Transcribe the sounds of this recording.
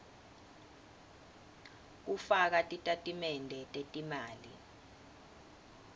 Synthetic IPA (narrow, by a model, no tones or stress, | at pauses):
k̬ufak̬atʼitʼatʼimɛndʱɛtʼetʼimaːli